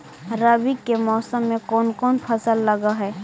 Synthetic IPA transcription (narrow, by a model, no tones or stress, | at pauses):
ɾəbikːemɔːsəmːẽkɔːnkɔːnpʰəsəlːɐɡaɦɛː